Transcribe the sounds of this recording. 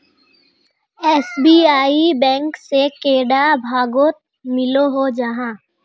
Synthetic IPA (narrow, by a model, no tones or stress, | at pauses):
ɛːsbiːaːibɛ̃ːŋksekeːɽabʱaːɡoːt̪̚ | mɪloɦod͡ʒɐɦãː